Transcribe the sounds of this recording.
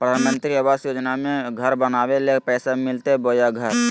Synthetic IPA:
pɾəd̪ʱaːnmə̃nt̪ɾiəbaːsjoːd͡ʒnamẽɡʱəɾbənaːwelepɛːsamɪlt̪eboːjaɡʱəɾ

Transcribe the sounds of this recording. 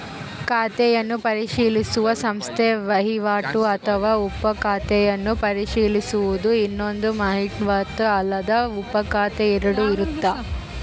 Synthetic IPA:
kaːt̪ɛjɐnːupɐɾiʂiːlisuʋɐsɐmst̪ʰeʋɐɦiʋaːʈuɐt̪ʰɐʋaːupːɐkaːt̪ɛjɐnːupɐɾiʂiːlisuʋud̪uinːo̞nd̪umɐɦiʈʋaːt̪ɐɐlːɐd̪ɐupːɐkaːt̪eiɾɐɽuiɾut̪ːaː

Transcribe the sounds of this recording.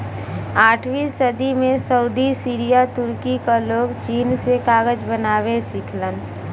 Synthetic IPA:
aːʈʰʋiːsəd̪imẽsəʊd̪isiːɾijat̪ʊɾkikaloːɡt͡ʃiːnsekaːɡəd͡ʒbənaːwẽsɪkʰlən

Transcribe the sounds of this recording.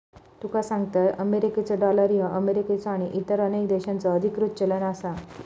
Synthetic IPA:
t̪ukasãŋɡt̪əʔəmeɾiket͡səɖɔləɾjəʔəmeɾiket͡sɔaɽ̃iʔit̪əɾənekd̪eɕant͡sɔəd̪ʱikɾut̪̚t͡ɕələnasa

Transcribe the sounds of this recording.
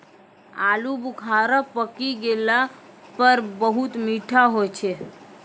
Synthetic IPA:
alubukʰaɾəpəkiɡelapəɾbəɦut̪miʈʰaɦojt͡ʃʰe

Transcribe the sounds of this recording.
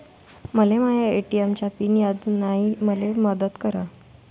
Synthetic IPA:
məlemajaeʈiemt͡ɕapiːnjad̪naɦiməleməd̪ət̪kəɾa

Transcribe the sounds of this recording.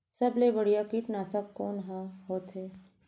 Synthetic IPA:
sɐblebɐɽ̤ijakiʈnaːsəb̚kɔːnɦãɦoːt̪ɦɛː

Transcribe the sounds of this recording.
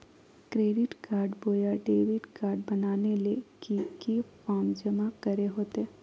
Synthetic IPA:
kɾeːɖɪʈkaːɾɖboːjaɖeːʋɪʈkaːɾɖbɐnaːnelekikifaːmd͡ʒəmakəɾeɦoːt̪ɛː

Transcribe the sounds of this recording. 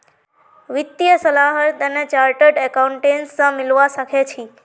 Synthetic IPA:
ʋɪt̪ːjəsəlaɦət̪ənet͡ʃaɾʈəɖɛkauɳʈensãmɪlʋaʃəkʰet͡ʃʰi

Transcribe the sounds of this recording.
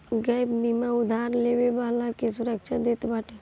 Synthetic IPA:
ɡəjbbimaʊd̪ʱaːɾleːʋeʋaːlakesʊɾəkʃʰad̪eːt̪baːʈʰe

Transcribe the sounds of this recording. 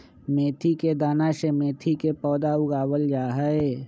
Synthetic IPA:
meːt̪ʰiked̪aːnaʃemeːt̪ʰikepɔːd̪aʊɡaːwəld͡ʒaːɦəe

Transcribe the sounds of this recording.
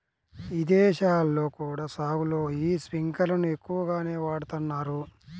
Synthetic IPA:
ʋid̪ɛːʃaːlːo̞ːkuːɽaːsaːɡulo̞ːiːspiŋkɐlɐnue̞kːuʋɐɡaːne̞ːʋaːɽut̪unːaːɾu

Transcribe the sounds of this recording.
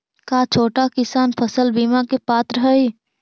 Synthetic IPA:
kaːt͡ʃʰoːʈakɪsaːnpʰəsəlbiːmakepaːt̪ɾəɦəi

